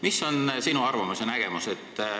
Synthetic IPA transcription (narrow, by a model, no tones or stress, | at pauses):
miso̞nsinuɑrvɑmusenæɡ̥e̞muse̞t̪ː